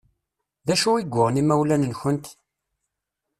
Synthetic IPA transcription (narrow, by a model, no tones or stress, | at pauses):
ðæʃuiɡʷːʊʁnimæwlænənçənt̪